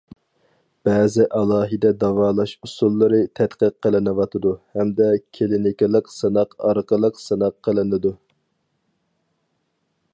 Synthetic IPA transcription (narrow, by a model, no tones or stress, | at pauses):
b̥ɛːzɪʔɑlˠɑːɦɨd̪ɛd̪ɑwɑːlˠɑʃusulˠːəɾɨt̪ʰɛt̪qəqːəlˠɪnɨwɑt̪ʰɨd̪uhɛmd̪ɛkʲʰelɪnɪkʲɪlˠəqsɨnɑqɑɾqəlˠəqsɨnɑqʰːəlˠɨnɨd̪u